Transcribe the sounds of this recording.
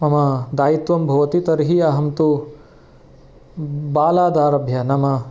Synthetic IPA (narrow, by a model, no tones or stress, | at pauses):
mɐmɐd̪aːjit̪ʋɐmbʱɐʋɐt̪it̪ɐɾɦiɐɦɐmt̪u | baːlaːd̪aːɾɐbʱjɐnɐmɐ